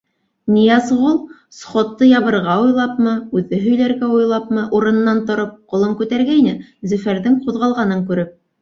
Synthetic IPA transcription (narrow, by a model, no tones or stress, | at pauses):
nʲijɑsʁulˠ | sχot̪ːɤjɑβɤ̆ɾʁɑujlˠɑpmɤʉðɘɦɵ̆jlæɾɡæujlˠɑpmɤʔuɾɤ̆nɤ̆nːɑnt̪ŏɾɤp̚qŏlˠɤŋkʉt̪æɾɡæinɘzɵ̆fæɾðɘŋquðʁɑlˠʁɑnɤŋkʉɾɘp̚